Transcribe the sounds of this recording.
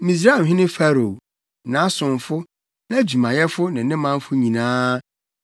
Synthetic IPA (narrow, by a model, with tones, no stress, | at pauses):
mĩ˨s̬ɾa˦˨mɦɪ̃˦nɪ̃˦fa˦ɾo˨ | nã˨˦sʊ̃˨ɱfʊ˦ | nã˦d͡ʑu˨mã˨jɛ˦fʊ˦nɪ̃˨nɪ̃˦mã˦n˦fʊ˦ɲĩ˨nãː˦